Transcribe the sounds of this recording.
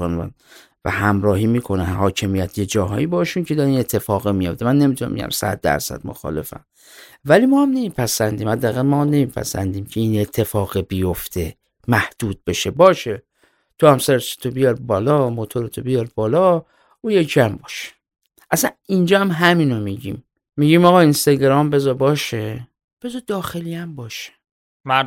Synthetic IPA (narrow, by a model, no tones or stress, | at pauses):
onæ̰n | væ̰hæmɾɒːhiːmiːkʰonænhɒːcʰemijæt̪ʰje̞d͡ʒɒːɦɒ̰ːibɒeʃuncʰe̞d̪ɒɾinet̪ʰːe̞fɒːɣemijo̞ft̪emænːemit̪ʰunæ̰mbḛɟæ̰msæ̰d̪̚ːæ̰ɾsæ̰d̪̚mo̰xɒ̰le̞fæ̰m | vælimɒːhæmne̞miːpʰæsænd̪iːmhæd̪ːæːɣælmɒːmne̞miːpʰæ̰sæ̰nd̪iːmcʰe̞ine̞t̪ʰːe̞fɒːɣebijoft̪ʰe | mæhd̪̥uːd̪̥̚be̞ʃe̞bɒːʃe | t̪ʰohæmsæɾese̥t̪ʰobijɒɾbɒːlɒmot̪ʰo̞ɾet̪ʰobijɒɾb̥ɒːlɒ | ujecʰæmbɒːʃe̥ | ʔæsænind͡ʒɒːæmɦæmino̞miɟḭːmː | iɟimɒːɣɒːinst̪ɒɟeɾɒːmbe̞zɒbɒːʃe | b̥e̞zɒd̪ɒːxe̞liæmbɒːʃe̥ | m